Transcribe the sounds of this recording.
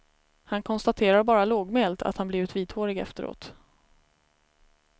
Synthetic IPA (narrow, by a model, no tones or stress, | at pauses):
hankʰɔnst̪at̪ʰeːɾaɾbɑːɾaloːɡmeːlt̪ʰa̰t̪hanbliːvɪt̪viːt̪hoːɾɪɡɛ̰ft̪əɾo̰ːt̪